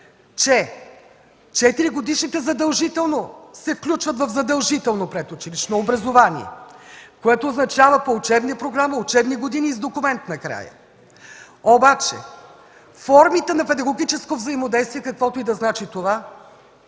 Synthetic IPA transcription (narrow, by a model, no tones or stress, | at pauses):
t͡ʃɛ | t͡ʃɛt̪iɾiɡod̪iʃnit̪ɛzɐd̪ɐlˠʒit̪ɛlˠnosɛfklʲut͡ʃvət̪vɐvzɐd̪ɐlˠʒit̪ɛlˠnopɾɛt̪ut͡ʃiliʃnoːbɾɐzovanḭɛ̰koɛt̪oːznɐt͡ʃavəpoːt͡ʃɛbniəpɾoɡɾaməʊt͡ʃɛbniɡod̪inizd̪okʊmɛnt̪nɐkɾa̰jə̰ | obat͡ʃɛ̰ | fɔɾmit̪ɛnɐpɛd̪ɐɡoɡʲit͡ʃɛskovzəimod̪ɛjst̪vʲiɛkɐkvɔt̪oid̪ɐznat͡ʃit̪ova